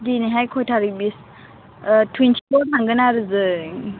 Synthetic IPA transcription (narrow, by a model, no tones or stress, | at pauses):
diniɦajkʰɔjtʰaɾɯbis | tʰwintʰibɔaŋɡɯnaɾɯzɯ